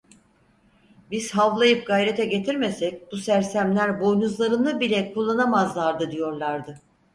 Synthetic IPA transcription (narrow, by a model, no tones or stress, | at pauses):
biz̥ɦavlˠajɯp̚ɡajɾe̞t̪ʰɛɟe̞t̪ʰiɾme̞sɛc̚busæɾsæmlʲæɾbo̞jnuzlˠaɾɯnɯbilʲɛkʰulˠːanamazlˠaɾd̪ɯd̪ijo̞ɾlˠaɾd̪ɯ